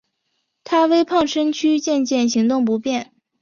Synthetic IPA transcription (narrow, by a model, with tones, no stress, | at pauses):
t̪ʰa˥we˥ɪpʰɑ˥˧˩ŋʂə˥ŋt͡ɕʰy˥t͡ɕjɛ˥˧nt͡ɕjɛ˥˩nɕi˧˥ŋt̪ʊ˥˩ŋp̬u˧˥pjɛ˥˩n